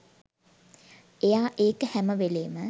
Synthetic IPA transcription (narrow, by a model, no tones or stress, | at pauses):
ejaːʔeːkəhæməʋeleːmə